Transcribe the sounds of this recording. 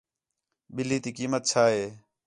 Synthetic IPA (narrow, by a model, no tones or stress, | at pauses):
ɓɪliːt̪iːkiːmət̪̚t͡ʃʰaːɦeː